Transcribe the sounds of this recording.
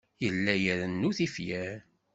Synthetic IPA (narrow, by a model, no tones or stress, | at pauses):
jəlːæjəɾənːuθifjæɾ